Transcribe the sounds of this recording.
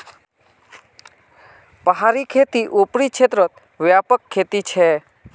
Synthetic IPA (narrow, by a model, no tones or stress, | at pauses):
pəɦaɾikʰet̪iʔupɽikʃʰet̪ɾət̪̚ | ʋjapəkʰːet̪it͡ʃʰe